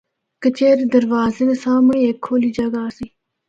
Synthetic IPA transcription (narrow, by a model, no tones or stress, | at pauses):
kət͡ɕeːɾid̪ɐɾʋaːzenesaːmɐeːkʰːoːlid͡ʒɐɡaːsi